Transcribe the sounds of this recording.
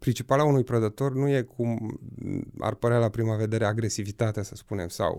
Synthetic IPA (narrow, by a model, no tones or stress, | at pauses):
pɾint͡ʃipalaunujpɾəd̪ət̪o̞rnuje̞kʰum | a̰rpəɾealapɾimave̞d̪e̞ɾe̞aɡɾe̞sivit̪at̪easəspune̞msa̰w